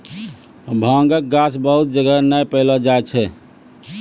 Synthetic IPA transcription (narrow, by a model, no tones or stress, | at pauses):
bʱãŋɡək̚ɡasbəɦut̪̚d͡ʒəɡənəjpəɪləd͡ʒaet͡ʃʰɛ